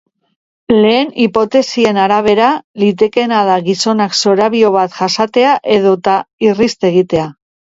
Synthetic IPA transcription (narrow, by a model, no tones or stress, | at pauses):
le̞ːnipo̞t̪e̞sie̞naɾaβ̞e̞ɾalit̪̬e̞ke̞naðaɣiso̞nakso̞ɾaβio̞βat̪ʝasat̪e̞aʔe̞ð̞o̞t̪airist̪e̞ɣ̞it̪e̞a